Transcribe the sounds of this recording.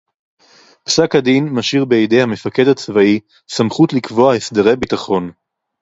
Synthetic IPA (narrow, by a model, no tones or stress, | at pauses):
psakhadinmaʃiʁbeejde̞jhame̞fake̞dhat͡svai | samχutlikvo̞ahesdeʁejbitaχo̞n